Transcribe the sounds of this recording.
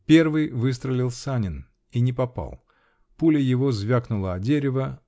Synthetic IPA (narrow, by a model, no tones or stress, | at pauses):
pʲe̞rvɨjvɨs̬t̪ɾəlʲɪlˠsanʲɪn | inʲɪpɐpa̰lˠ | pulʲɪjɪvo̞zvʲaknʊlˠəɐdʲeɾʲɪvə